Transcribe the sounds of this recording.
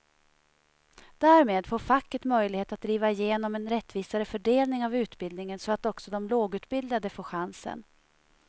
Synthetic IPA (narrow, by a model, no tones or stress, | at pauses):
d̪æːɾmeːd̪foːɾfakːət̪mœjlɪɡheːt̪at̪̚d̪ɾiːvaɪjeːnɔmɛnɾɛt̪ːviːsaɾəfœɖeːlnɪŋavʉ̟ːt̪bɪld̪nɪŋənsɔat̪ɔksɔd̪ɔmloːɡʉ̟ːt̪bɪld̪ad̪əfoːɧansə̰n